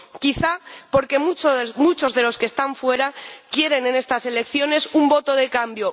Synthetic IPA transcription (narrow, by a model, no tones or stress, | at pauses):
kiθapo̞ɾke̞mut͡ʃmut͡ʃo̞zðe̞lo̞ske̞st̪aɱfwe̞ɾakje̞ɾe̞ne̞ne̞st̪ase̞le̞kθjo̞ne̞sumbo̞t̪o̞ð̞e̞kambjo̞